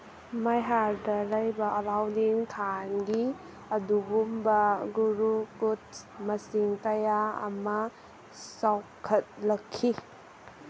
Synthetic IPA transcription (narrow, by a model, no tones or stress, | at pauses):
majɦaɾdɐlajbɐʔɐlawdiŋtʰanɡi | ɐdubumbɐɡuɾukut̚mɐsiŋkɐjaɐ̰mɐ | sawkʰɐt̚lɐkʰːi